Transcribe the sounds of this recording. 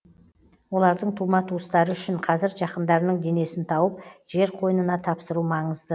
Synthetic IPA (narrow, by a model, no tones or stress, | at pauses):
wo̞lˠɑɾd̪əɴt̪ʰumɑt̪ʰust̪ɑɾəʏʃɪɴqʰɑzɪɾʒɑqənd̪ɑɾnəɴd̪e̞ne̞sɪnt̪ʰɑwəp̚ʒ̥e̞ɾqʰo̞jənənɑt̪ʰɑpsəɾumɑɴəzd̪ə